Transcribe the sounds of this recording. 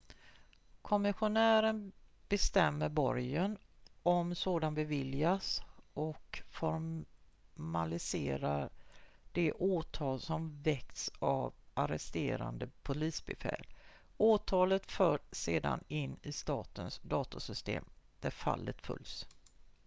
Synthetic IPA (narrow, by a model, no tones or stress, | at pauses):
kʰɔmɪɧʊnæːɾənb̥ɛst̪ɛmːəɾbɔɾjən | ɔmsoːd̪anbɛvɪljasɔkfɔɾ | malɪseːɾa | ɖ̥ɛʔoːt̪ʰɑːlsɔmvɛk̚t̪savaɾɛst̪eːɾa̰nd̪əpʰʊliːsbɛfɛ̰ːl | oːt̪ʰɑːlət̪fœːɖseːd̪a̰nɪnːɪst̪ɑːt̪ənsd̪ɑːt̪ʊsʏst̪ḛːmd̪̥æɾfa̰lːət̪fɵ̰ls